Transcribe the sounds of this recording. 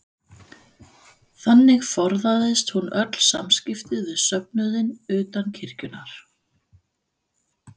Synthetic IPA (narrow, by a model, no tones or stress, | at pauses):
θanːɪɣfɔɾðaðɪst̪hunœt̪l̥sa̰mscɪft̪ɪðvɪðsœp̚nʏðɪnʏːt̪ancʰɪr̥cʏnaɾ̥